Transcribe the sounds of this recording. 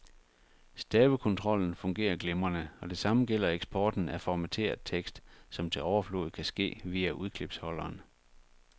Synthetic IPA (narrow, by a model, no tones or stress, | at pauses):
sd̥ɛːbəkʰɔ̽nt͡sʰʁɒ̽l̰n̩fɔ̽ŋɡ̥e̝̰ːɐɡ̥lemɐnəɒ̽d̥e̝sɑ̈məɡ̥el̰ɐeɡ̥sb̥ʰɒːd̥n̩æfɒmæt͡sʰe̝̰ːɐðˠt͡sʰeɡ̥sd̥sɒ̽mt͡sʰe̝ɒʊɐflɔ̰ð̩ˠkʰæsɡ̥e̝̰ːʋiːæʔuð̞ˠkʰle̝b̥shɒ̽lɐːn